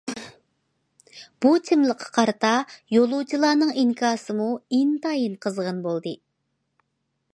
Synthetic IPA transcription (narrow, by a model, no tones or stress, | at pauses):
b̥ut̪ʰɪmlˠəqʰːɑ̥qʰɑɾɨt̪ɑjolˠut͡ʃʰilˠɑːnɨŋiŋkʰɑːsɨmuint̪ʰɑjinqʰəzʁɑnbolˠd̪ɨ